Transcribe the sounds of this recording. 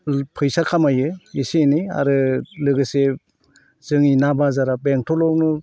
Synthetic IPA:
pʰɯjsakʰamajɯisinia̰ɾɯlɯɡɯse | z̥ɯŋinabazaɾabeŋtʰɔlɔwnɯ

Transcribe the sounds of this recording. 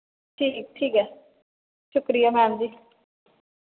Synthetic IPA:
ʈʰiːk̚ʈʰiːkɛ | ʃʊkɾijamãːnd̪i

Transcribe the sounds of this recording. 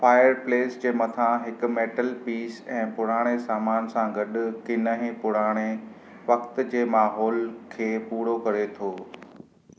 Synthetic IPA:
faːjəɾpleːsd͡ʑeːmɐt̪ʰãɦɪkʊ̆meːʈəlpiːsɛ̃ːpʊɽ̤aːɽ̃esaːmaːnsãɡɐɗʊ̆kɪnəɦẽpʊɽaːɽ̃e | ʋɐkt̪̆d͡ʑeːmaːɦɔːlkʰeːpuːɽokɐɾet̪ʰoː

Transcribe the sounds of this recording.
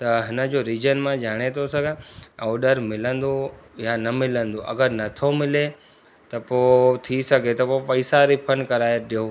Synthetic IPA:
t̪ɐɦɪnəd͡ʑoːɾiːzənmãd͡ʑaːɽ̃et̪ʰosɐɡʱə̃ɔːɖəɾmɪlə̃nd̪ojanɐmɪlə̃nd̪oʔɐ̰ɡəɾnɐt̪ʰomɪle | t̪ɐpoːt̪ʰisɐɡʱet̪ɐpopɐɪsaɾɪpʰənkɐɾaːeɗijoː

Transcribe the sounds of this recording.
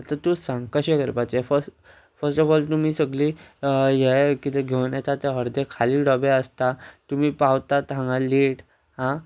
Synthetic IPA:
at̪at̪usãŋɡkəɕekəɾpat͡ɕefəs | fəɾsʈɔfɔlt̪um̤iːsəɡliːjekit̪ʰeɡʱeʋnjat͡s̪at̪eɦəɾd̪ekʰaliːɽɔbeəst̪at̪um̤iːpawt̪at̪ãŋɡaleʈ | ɦã

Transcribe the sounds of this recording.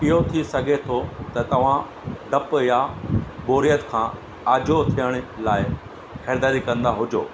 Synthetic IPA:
pijot̪ʰisɐɡʱet̪ʰot̪ɐt̪ɐʋ̤ã | ɖʱɐpjaboːɾijət̪kʰãː | aːd͡ʑʱot̪ʰijəɽ̃ʊ̆laːɪ | xɛːɾd̪aːɾikɐ̃nd̪aɦʊd͡ʑo̰ː

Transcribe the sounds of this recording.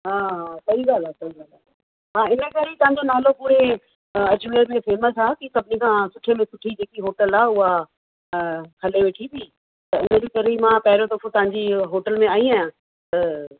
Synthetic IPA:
ɦaːɦasɐiɡaːlaːsɐiɡaːla | mãɪnəkɐɾit̪ɐɦãɲd͡ʑonaːlopuːɾe | ɐd͡ʑmeːɾmẽfeːməsaːkisɐbʱɪnikʰãːsʊʈʰemẽsʊʈʰid͡ʑeːkiɦoːʈəlaːʊɦa | kʰɐleʋeːʈʰibʱi | t̪ɐɪnəd͡ʑikɐɾimãːpɛɦɪɾot̪ɐfʰõt̪ɐɦãɲd͡ʑiɦoːʈəlmẽaːiaːjãː | t̪ɐ

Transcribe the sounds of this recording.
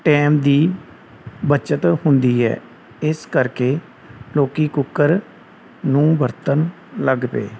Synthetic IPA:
ʈɛːmd̪iː | bət͡ʃət̪hʊnd̪iːɛ̰ː | ɪskəɾkeː | loːkiːkʊkːəɾ | nũːbəɾt̪ən | ləɡpḛː

